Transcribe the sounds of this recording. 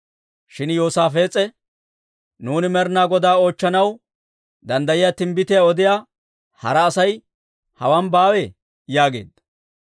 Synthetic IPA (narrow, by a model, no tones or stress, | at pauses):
ʃɪnjoːsaːfeːt͡sʼːɛ | nuːnɪmɛɾnaːɡɔd̪aːo̞ːt͡ʃːɐnɐw | d̪ɐnd̪ɐjɪjaːt̪ɪmbɪt̪ɪjaɔd̪ɪjaː | hɐ̰ɾɐːsɐj | hɐwɐnbaːwɛ | jaːɡe̞̰ːd̪